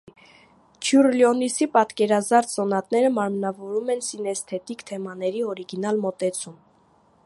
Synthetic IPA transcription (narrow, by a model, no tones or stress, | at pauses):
t͡ʃʰjuɾljɔnisipɑt̪kɛɾɑzɑɾt͡s̪ʰsɔnɑt̪nɛɾəmɑɾmnɑvɔɾumɛnsinɛst̪ʰɛt̪ikt̪ʰɛmɑn̪ɛɾiɔɾiɡinɑlmɔt̪ɛt͡sʰum